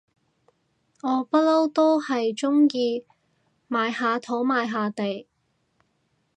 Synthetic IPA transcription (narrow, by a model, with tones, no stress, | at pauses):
ŋɔː˨˧pɐ˥t̚lo˥wt̪o˥whɐ˨jt͡ʃʊ˥ŋjiː˧ | maː˨˧jhaː˨˧t̪ʰo˨˥wmaː˨˧jɦaː˨˧t̪e˨j